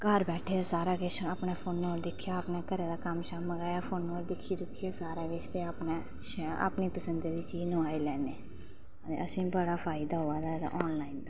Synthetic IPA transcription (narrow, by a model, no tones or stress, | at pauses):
kəɾbɛːʈʰeːaːsaːɾaːkɪt͡ʃaːpneːpʰoːnːoːɾd̪ɪkʰːjaːapnaːkəɾeːd̪aːkəmʃaːməɡaːjaːpʰoːnːoːɾd̪ɪkʰːiːd̪ʊkʰːijaːsaːɾaːɡɪt͡ʃʰt̪eaːpneː | ʃɛa̰pniːpəsənd̪eːd̪iːt͡ʃiːznũːaːilɛːneː | t̪ḛəsĩːbəɽaːpʰaːɪd̪aːɦoːaːd̪aːt̪a̰ʔɔːnlaːiːnd̪aː